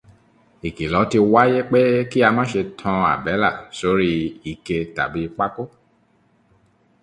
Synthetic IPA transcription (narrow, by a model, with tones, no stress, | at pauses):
i˨ki˨lɔ˨˦ti˧wa˦je˦k͡pe˦ki˦a˧mã˦ʃe˧tʰɔ̃˧a̰˨bɛ˨˦la˦˨so˨˦ɾi˦i˦˨ke˧ta˨bi˨˦k͡pa˦ko˦